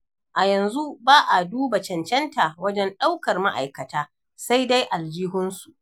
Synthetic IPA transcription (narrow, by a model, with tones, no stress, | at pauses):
ʔa˨jɐ˨nzu˦baː˦ʔa˨duː˦ba˨t͡ʃɐ˨nt͡ʃɛ˦ntʰa˨wɐ˦d͡ʒɛ˦nɗa˦wkɐ˨rma˦ʔa̰˨jkɐ˨taː˦ | sa˦jda˦jʔa˨ld͡ʒiː˦ɦʊ˦nsu˨